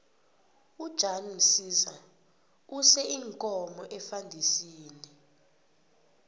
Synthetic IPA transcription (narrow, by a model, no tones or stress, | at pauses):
ud̥ʒ̥ʱanisisa | usɛiŋkʼɔmɔʔɛfandʱisiːni